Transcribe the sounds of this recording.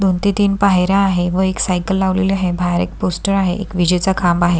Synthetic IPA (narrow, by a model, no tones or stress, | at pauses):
d̪ʱont̪it̪iːnpaɦeɾjaːɦeʋəeksajkəlːaʋleliaɦebʱaɾḛk̚posʈəɾaɦḛʔḛkʋid͡ʑət͡sakʰambaɦe